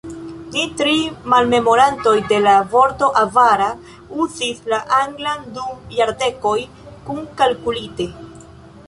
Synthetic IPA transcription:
nitɾimalme̞mo̞ɾanto̞jde̞lavo̞ɾto̞ʔavaɾa | uzislaʔaŋɡlandujaɾde̞ko̞j | kunkalkulite̞

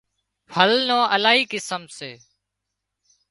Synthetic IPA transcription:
pʰəlnõːʔəlaːɦiːkɪsəmseː

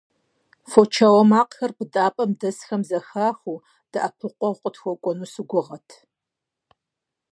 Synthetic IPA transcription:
fot͡ʃʰawɔmaːqxɐrbɨdʼaːpʼɐmdɐsxɐmzɐxaːxʷuː | d̥ɨʔapʰɨqʷʼɔqʷʼətxʷɔkʷʼɔnuːsɨɡʷʊʁɐtʰ

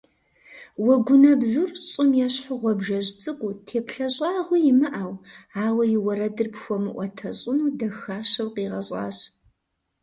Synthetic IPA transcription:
wɔɡʷʊnɐbzurɕʼɪmjɛɕħʊʁʷɔbʒɐʑt͡sʼɨkʷutʰeːpɬɐɕʼaːʁʷʊjɪmɨʔaːwaːwɐjɪwɐɾɐdɨrpxʷɔmɨʔʷɔtʰɐɕʼɪnuːdɐxaːɕɐwqiːʁɐɕʼɑ̰ːɕ

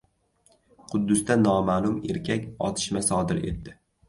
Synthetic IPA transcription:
qʰʊd̪ːʊst̪anɒmalˠʊme̞ɾkʲʰakʲɒ̰t̪ʰɪ̥ʃmasɒd̪ɪɾe̞̰t̪ːɪ

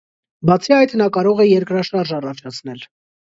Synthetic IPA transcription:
bɑt͡sʰiɑjt̪ʰnɑkɑɾɔʁɛjɛɾkɾɑʃɑɾʒɑrɑt͡ʃʰɑt͡sʰnɛl

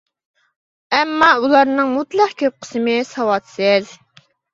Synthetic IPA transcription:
ɛmːɑulˠɑɾnɨŋmut̪lˠəqkʲʰøp̚qʰə̥sɨmɨsɑwɑt̪sɪz

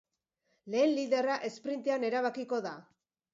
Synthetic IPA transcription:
le̞ːnliðe̞raʔe̞spɾint̪eane̞ɾaβ̞akiko̞ða

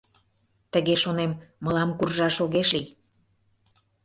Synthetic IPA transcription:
t̪əɣeʃonemːəlɑmkurʒɑʃoɣeʃli

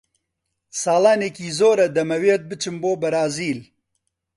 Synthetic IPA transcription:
sɑːlaːneːkiːzoːɾɐd̪ɐmɐweːt̪̚bɨt͡ʃʰɨnboːbɐɾaːziːl

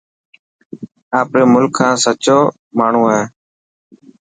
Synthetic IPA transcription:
aːpɾeːmʊlkʰːãːsət͡ʃoː | maːɳ̤ũːaːeː

